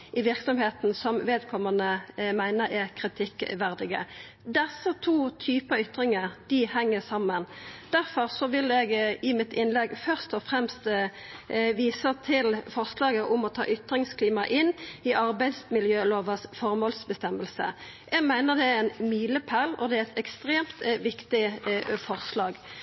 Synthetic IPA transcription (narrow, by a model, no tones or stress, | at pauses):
ʔɪʋɪʁksɔmheːt̪n̩sɔmʋeːd̪kʰɔmənəmæɪnəɾɛʁkʰʁɪt̪ʰɪkːʋæʁd̪ɪɡə̰ | d̪ɛsːət̪ʰuːt̪ʰyːpəʏt̪ʁɪŋəʁd̪̥ɪhɛŋːəsɑmːənd̪̥æʁfɔʁsɔʋɪlɛɡɪmɪt̪ʰɪnlɛɡfœʁst̪ɔfɾɛmst̪ | ʋiːsət̪ʰɪlfɔʁslɑːɡəʔʊmɔt̪ʰɑ̰ːʔʏt̪ʁɪŋskʰliːmɑʔɪnːɪʔɑʁbæɪd̪smɪljøːloːʋəsfɔʁmɔlsbəst̪ɛmːəlsə̰ | ʔɛɡmæɪnəʁd̪ɛæɾɛnmyːləpʰælɔ̰d̪ɛæɛt̪ɛkst̪ʁeːmt̪ʋɪkt̪ɪfɔʁslɑːɡ